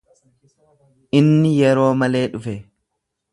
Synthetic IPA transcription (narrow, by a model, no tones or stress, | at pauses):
ʔɪnːɪjɛɾo̞ːmɐle̞ːᶑʊfɛ